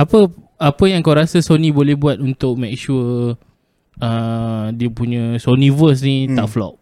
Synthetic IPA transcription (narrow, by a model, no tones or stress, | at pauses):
apə | apəjaŋkawɾasasonĩbolɛhbuat̪̚unt̪ʊk̚mek̚ʃu | ədiəpuɲə̃sonĩvəs̬nĩt̪aʔflɔ̰ʔ̚